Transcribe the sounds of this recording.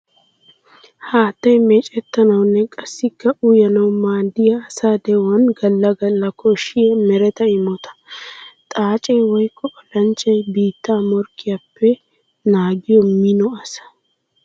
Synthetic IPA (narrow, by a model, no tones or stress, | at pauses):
haːt̪ːɐjmɛːt͡ʃʼɛt̪ːɐnɐwnːɛkʼɐsːɪkːɐʔʊjɐnɐwmaːd̪ːɪjɐːsaːd̪ɛwɐnɡɐlːɐɡɐlːɐkʰɔʃɪjɛmɛɾɛt̪ɐɪmɔt̪ɐ̥t̪ʼaːt͡ʃʼɛjwɔjkʰːɔɔlɐnt͡ʃːɐjbiːt̪ːaːmɔɾkːɪjapːɛ | naːɡɪjɔmɪnɔɐsɐ̥